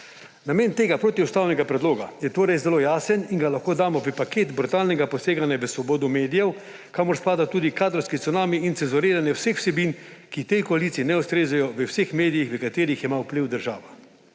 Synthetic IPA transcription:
nameːnt̪eːɡapɾoːt̪iust̪aːwnɛɡapɾɛd̪loːɡajɛt̪oːɾɛjzɛloːjaːsəninɡalaxkoːd̪aːmɔpipakeːt̪bɾut̪aːlnɛɡapɔseːɡanjaʋəsʋɔboːd̪ɔmeːd̪ijɛw | kaːmɔɾspaːd̪at̪uːd̪ikaːd̪ɾɔwskit̪unaːmiinsɛnzɔɾeːɾanjɛwsexw̥sɛbiːnkit̪ɛjkɔalit̪siinɛust̪ɾeːzɛjɔʋəwsexmeːd̪ijixʋəkat̪eːɾixjɛmawpliwd̪əɾʒaːʋa

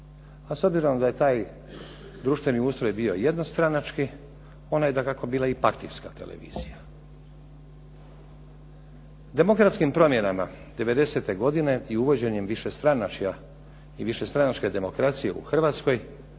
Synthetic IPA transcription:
aso̞bziɾo̞md̪aje̞t̪aːj | d̪ɾuʃt̪ʋe̞niuːst̪ɾo̞jbiːo̞je̞d̪nost̪ɾanat͡ʃki | o̞najed̪akako̞biːlˠaipaɾt̪ḭjskat̪e̞̰lḛʋḭːzija | d̪e̞mo̞kɾat̪skimpɾo̞mje̞nama | d̪e̞ʋe̞d̪e̞se̞t̪e̞ɡo̞d̪ine̞iuʋo̞d͡ʑe̞ɲemʋiʃest̪ɾanat͡ʃa | iʋiʃe̞st̪ɾanat͡ʃke̞d̪e̞mo̞kɾat̪sije̞ṵxr̩ʋaːt̪sko̞j

